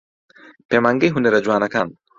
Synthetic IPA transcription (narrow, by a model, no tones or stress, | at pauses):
pemaŋɡeɦuneɾɐd͡ʒuwaːnɐkan